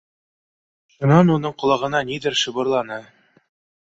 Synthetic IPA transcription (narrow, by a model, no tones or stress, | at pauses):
ʃŭnɑnunɤɴqŏlˠɑʁɤ̆nɑnid̪ɘɾʃɤ̆βɤ̆ɾlˠɑnɤ